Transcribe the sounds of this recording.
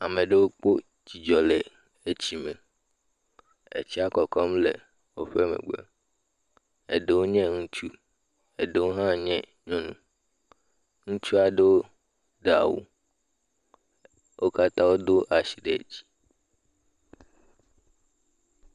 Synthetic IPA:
a˨mẽ˨ɖe˦wo˦k͡po˦ | d͡ʑi˨d͡ʒɔ˨le˨ | e˦t͡ɕi˦mẽ˨ | ḛ˨t͡ɕi˦a˦kɔ˨kɔ˦mlḛ˨ | wo˦ɸe˦mḛ̃˨ɡ͡bḛ˦ | ḛ˨ɖe˨wo˦ɲɛ̃˦ŋũ˦t͡ʃu˦ | e˨ɖe˨wo˦ɦã˦ɲɛ̃˦ | ɲɔ̃˦nũ˦ | ŋũ˦t͡ʃu˦a˨ɖe˦wo˦ | ɖa̰˨wṵ˦ | wʔo˦ka˦t̪ã˦wo˦d̪o˦ʔa˨ɕi˨ɖḛ˨d͡ʑi̥˨˦

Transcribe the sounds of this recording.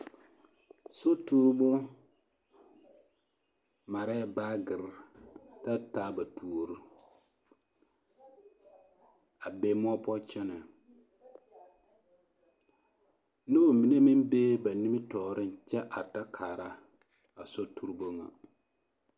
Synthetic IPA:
so˦tu˦ɾbʊ˦ | ma˨ɾa˦ja˦baː˦ɡɪ˨ɾta˦taː˦ba˨tu˨o˨ɾɨ˦ | a˨be˦mʊ˦a˦pɔ˦t͡ʃɛ˦na˨ | nɨ˦bo˨mi˨ne˦mi˦mbeː˦ba˨ni˦mɪ˦tɔː˨ɾɨ˦n˨t͡ʃɛ˦ʔa˨ta˦kʰaː˨ɾa˦ | a˨so˦tu˦ɾɨ˦bo˦ŋa̰˨

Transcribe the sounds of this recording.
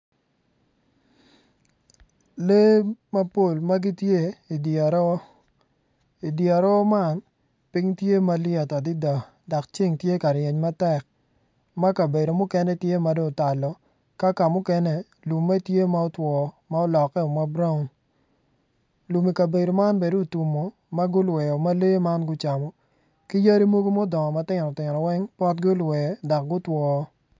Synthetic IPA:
le˦ma˦po˦˨lma˦ɡi˦tje˦i˨dɾ | i˨dja˨ɾɔ˦ma˦n | pi˦ŋtje˦ma˦ljɛ˨ta˨di˦da˨ | dɔ˨kt͡ʃi˦ŋtje˦ka˨ɾje˨ɲma˦tɛ˦˨k̚ | ma˦ka˨be˨do˨mʊ˦kɛ˦nɛ˦tje˦ma˦do˦ŋta˨lɔ˨ | ka˦ka˨mʊ˦kɛ˦nɛ˦ | lu˨mːa˦tje˦ma˦ɔ˦twɔ˨ | ma˦ɔ˦lɔ˨kːɛ˦o˨ma˦bɾa˦ʊ˨n | lu˨mi˨ka˨be˨do˨ma˦nbe˨doː˦˨tu˨mo˨ | ma˦ɡʊ˦lwɛ˨ɔ˨ma˦leː˦ma˦nɡʊ˦t͡ʃa˨mɔ˨ | ki˦ja˦ɾi˦mo˦ɡo˦mo˦dɔ˨ŋɔ˨ma˦tɪ˦ɾɔ˨tɪ˨ɾɔ˨wɛ˦ŋpɔ˦t̚ɡʊ˦lwɛ˨dɔ˨k̚ɡʊ˦twɔ˨˦

